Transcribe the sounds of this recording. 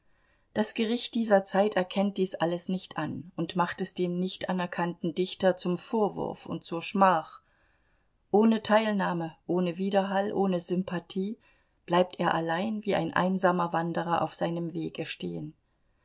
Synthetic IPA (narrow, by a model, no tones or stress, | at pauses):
d̥asɡ̥əʁ̞ɪçt̚d̥iːzɐt͡saɪtɛɐkʰɛnt̚d̥iːsʔaləsnɪçtʰʔanʊntmaχtɛsd̥eːmnɪçtʔanɛɐkʰantn̩dɪçtɐt͡sʊmfoːɐvʊ̰ɐfʊ̰nt̚t͡suːɐʃmaːχ | ʔoːnətʰaɪlnaːməʔoːnəviːdɐɦalʔoːnəzʏmpʰatʰiː | b̥laɪp̚teːɐʔalaɪnviːʔa̰ɪnʔa̰ɪnzaːmɐvandəʁ̞ɐʔa̰ʊfz̥aɪnəmveːɡəʃtḛːən